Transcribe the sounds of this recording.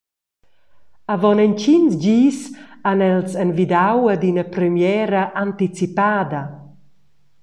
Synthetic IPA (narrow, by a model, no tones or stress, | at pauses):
avɔnɛnt͡ʃinzd͡ʒiːsanɛlsɛnvid̪awad̪inəpɾɛmjɛɾaʔant̪it͡sipaːd̪a